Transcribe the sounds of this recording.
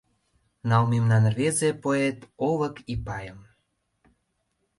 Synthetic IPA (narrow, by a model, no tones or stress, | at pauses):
nɑlmemnɑnrvezepoet̪ovə̆kipɑjəm